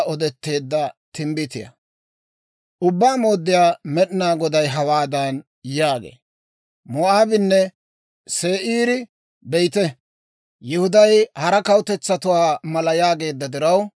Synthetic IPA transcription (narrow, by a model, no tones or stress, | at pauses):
ɔd̪ɛt̪ːe̞ːd̪ːɐt̪ɪmbɪt̪ɪjɐ̰ | ʔʊbːaːmoːd̪ːɪjaːmɛɗɪnaːɡɔd̪ɐjɦɐwaːd̪ɐn | jaːɡḛː | mɔʔaːbɪnːɛ | seːʔiːɾɪ | bɛjt̪ɛ | jɪhʊd̪ɐjhɐɾɐkɐwt̪ɛt͡sːɐt̪ʊwaːmɐlɐjaːɡe̞ːd̪ːɐd̪ɪɾɐw